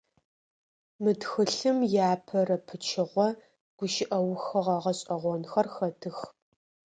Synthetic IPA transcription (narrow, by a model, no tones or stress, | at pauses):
mɨdxɨɬɨmjaːpʰɐrɐpʰɨt͡ʃʰɪʁʷɔ | ɡ̥ʷʊʃɪʔɐwxɐʁɐʁɐɕʼɐʁʷɔnxɐrxɐtʰɨx